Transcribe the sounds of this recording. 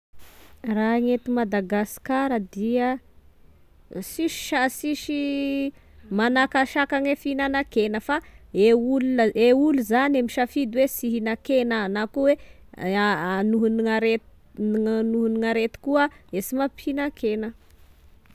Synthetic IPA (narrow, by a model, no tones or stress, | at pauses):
raɦaŋet̪imad̪aɡaskaɾəd̪iə | siʃi̥ʃasiʃi | manakaʃakaŋwefinanakenəfaeuluəeuluzanamiʃafid̪uwesiɦinakenanakuwe | anuɦuniŋaɾe | anuɦuniŋaɾet̪i̥kuəesimapʰinakʰenə